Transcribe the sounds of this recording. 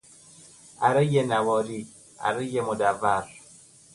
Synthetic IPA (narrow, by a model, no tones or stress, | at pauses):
a̰ɾəjenawɔɾi | a̰ɾəjemodavaɾ